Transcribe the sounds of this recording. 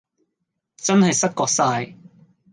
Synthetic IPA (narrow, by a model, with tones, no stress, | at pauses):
t͡sɐ˥nhɐ˨jsɐ˥kɔː˧k̚saː˧j